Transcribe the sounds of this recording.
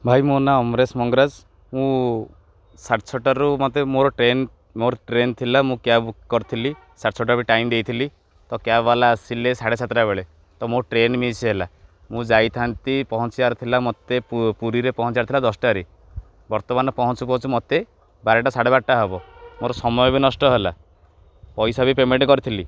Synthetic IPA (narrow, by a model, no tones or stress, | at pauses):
bʱajmonaɔmɾesmɔŋɡɾad͡ʒ | mũ | saʈt͡ʃʰɔʈaɾumɔt̪emoɾɔʈɾen | moɾɔʈɾent̪ʰilamũkjabukɔɾut̪ʰili | saʈt͡ʃʰɔʈ̬aɾbiʈajmd̪ejt̪ʰili | t̪ɔkjabalaːsilesaɽesʰat̪ɾabeɭe | t̪ɔmoʈɾenmit͡ʃʰiɦela | mũd͡ʒajt̪ʰant̪ipɔɦɔt͡ʃiaɾt̪ʰilamɔt̪epuɾiɾepɔɦɔ̃t͡ʃiaɾt̪ʰilad̪ɔsʈaɾi | bɔɾt̪ɔmanɔpɔɦɔt͡ʃupɔɦɔ̃t͡ʃʰumɔt̪e | baɾeʈasaɽeβaʈːaɦebɔmoɾɔsɔmɔjɔbinɔsʈɔɦela | pɔjsabipemeɳʈkɔɾit̪ʰili